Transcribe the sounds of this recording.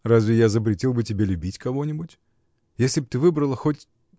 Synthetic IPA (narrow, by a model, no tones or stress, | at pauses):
razʲvʲɪjazəp̬ɾʲɪtʲilˠbɨtʲɪbʲelʲʉbʲitʲkɐvo̞nʲɪbʊtʲ | jesʲlʲɪb̚t̪ɨvɨbɾəlˠəxotʲ